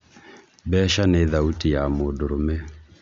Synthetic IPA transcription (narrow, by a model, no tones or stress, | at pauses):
bɛːʃaneðautijamoːdoɾomɛ